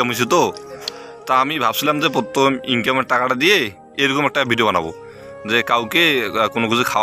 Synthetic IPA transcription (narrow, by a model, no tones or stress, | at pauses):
amɦojs̬ɛt̪ɔ | taamibʱabsilamzɛpɔt̪ɔmiŋkamɛakatadijɛ | ejɹɔkɔmɛk̚tabʱidijobana̰bɔ̰ | zɛkawkekʊnʊkizikʰawa